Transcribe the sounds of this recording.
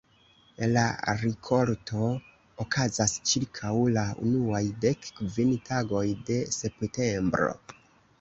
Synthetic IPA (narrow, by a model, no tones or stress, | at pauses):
elaɾikʰo̞ɾtʰo̞ | okʰazast͡ʃiɾkʰawlaṵnuajde̞kːvintaɡo̞jde̞se̞pte̞mbɾo̞̰